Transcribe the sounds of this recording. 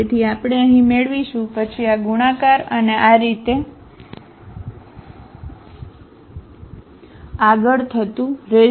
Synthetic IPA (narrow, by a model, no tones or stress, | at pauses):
et̪ʰiapɽ̃eəɦĩmeɭʋiʃũpət͡ʃʰiaɡuɽ̃akaɾəneʔaɾit̪e | aɡəɭt̪ʰət̪ũɾe